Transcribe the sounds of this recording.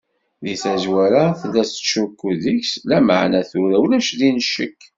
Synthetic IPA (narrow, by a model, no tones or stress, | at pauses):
ðiθæzwæɾaθəlːæsʃukːuðiçslæmə̰ʕnæθuɾæwlæʃðinəʃːə̰kː